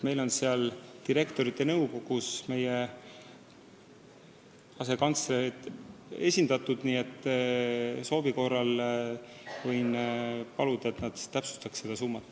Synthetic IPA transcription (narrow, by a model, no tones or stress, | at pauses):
me̞jlo̞nseɑlt̪iɾe̞kt̪o̞ɾit̪ːˑe̞nɤwko̞ɡ̥usme̞je | ɑse̞kɑnt̪sɾed̪e̞sʲind̪̥ɑt̪ːˑud̪̥niːe̞t̪ː | so̞ːbiko̞rɑl | vɤjnpɑlud̪̥ɑe̞t̪nɑd̪̥t̪ːæpsu̥st̪ɑkse̞d̪ɑsumːɑt̪ˑː